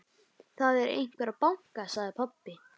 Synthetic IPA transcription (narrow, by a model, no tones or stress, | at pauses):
θaðɛɾḛjcɪ̥paːɾapawŋ̥kasaɣðɪpʰɔpːɪ